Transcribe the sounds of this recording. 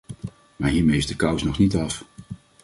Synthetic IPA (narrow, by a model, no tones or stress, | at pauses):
maːɹɦiːɹmejɪzdəkʌwsnɔχnitɑf